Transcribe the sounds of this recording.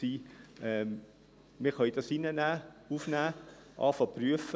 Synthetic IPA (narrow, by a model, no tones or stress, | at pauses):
iːʔɛm | mɪχɑid̥ɑsinənæːuːfnæː | ʔɑ̰ːfɑpryəfə